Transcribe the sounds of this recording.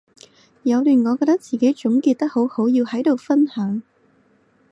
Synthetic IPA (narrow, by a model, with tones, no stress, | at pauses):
jɐ˨˧wlyː˨˩nŋɔː˨˧kɔː˧t̪ɐ˥k̚t͡siː˨˩ke˨˥jt͡ʃʊ˨˥ŋkiː˧t̚t̪ɐ˥k̚ho˨˥who˨˥wjiː˧whɐ˨˥jt̪o˨wfɐ˥nhœː˨˥ŋ